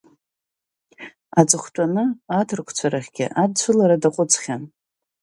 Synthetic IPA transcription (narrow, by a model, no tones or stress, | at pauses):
ad͡zɨχʷtʷʼanɨatʰɨrkʷʰt͡sʷʰaɾaχʲɡʲɪ̰ʔad̚t͡ɕʷʰɨlaɾadaqʷʼʊt͡sʰʼχʲan